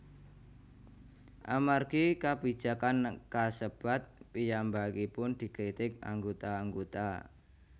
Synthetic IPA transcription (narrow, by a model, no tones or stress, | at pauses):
ʔa̰marɡ̥ikabi̤̥ʒ̥a̤kankasəb̥a̤t̪̚pijambaɡipʊnd̪̥i̤kɾit̪ɪk̚a̰ŋɡot̪aːŋɡot̪a̰